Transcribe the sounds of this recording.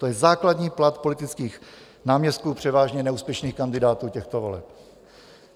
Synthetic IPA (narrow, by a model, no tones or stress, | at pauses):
t̪ojɛzaːkladɲiːplat̪po̞lɪt̪ɪt͡skiːx | naːmɲɛst̪̚kuːpr̝̥ɛvaːʒɲɛnɛuːspjɛʃniːxkandɪdaːt̪uːcɛxt̪ovolɛ̰p̚